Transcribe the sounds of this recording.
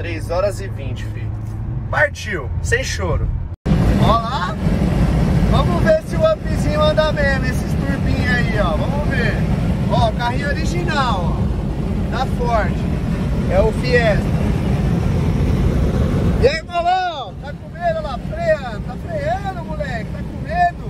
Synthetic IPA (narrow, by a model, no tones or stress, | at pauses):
t̪ɾejzɔɾɐzɪvĩt͡ʃɪ̥fi | paɾt͡ʃiwsẽj̃ʃoɾʊ | ɔla | vɐ̃mʊveɾsɪuɐ̃pĩzĩɲʊɐ̃nd̪amẽjɐnesɪst̪uɾbĩɲaiɔvɐ̃mʊveɾ | ɔʊkaɦiɲoɾiʒinawɔ | t̪afɔɾt͡ʃɪɛʊfiɛst̪ɐ | ejvalɐ | t̪akomed̪ɐlafɾejɐt̪afɾejɐ̃d̪ʊmulɛkɪt̪akõmed̪ʊ